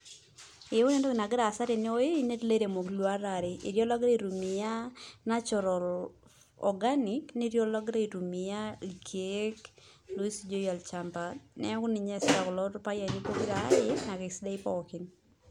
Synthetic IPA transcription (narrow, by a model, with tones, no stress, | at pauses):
ɪ˨˦ʊ˦ne˦ndo˦kɪ˨na˨ɡɪ˦ɾa˨sa˦ɾe˨nɪ˦o˦je˦ine˦tle˦ɾe˨mo˨klo˦a˦ɾa˨ɾɪḭ˨ɾjɔ˦la˦ɡɾe˦i˨ɾu˨mi˨ja˦na˦t͡ʃɔ˨ɾɔ˨l | ɔ̰˨ɡa˦nikni˦ɾjɔ˦lɔ˦ɡɾa˦i˨ɾu˨mi˨ja˦ikʰe˦k | lo˦i˦sid͡ʒo˦ja˨lt͡ʃampa˨nɛ̰˦kʊ˦ni˨ɲɛ˨sa˨klɔtpa˦ja˨ni˦ko˦ɡi˦ɾaː˨˦jena˨kɪ˨sda˦ɪ˦pɔ̰˦kɪn